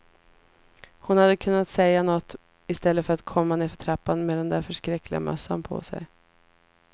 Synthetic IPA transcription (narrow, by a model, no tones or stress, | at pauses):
hʊnhad̪ːəkʰɵnːat̪sɛjːanɔt̪ː | ɪst̪ɛlːəfœɾat̪kʰɔmːanɪːfœʈʰɾapːanmeːd̪ɛnd̪æɾfœʂkɾɛkːlɪɡa̰mʔœ̰sːa̰npʰɔ̰sɛ̰j